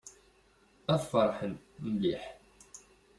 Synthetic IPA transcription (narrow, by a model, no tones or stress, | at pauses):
æðfəɾˤħən | mliħ